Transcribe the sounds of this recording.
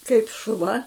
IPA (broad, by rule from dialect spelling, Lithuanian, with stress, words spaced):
kɐɪp ʃʊˈʋɐ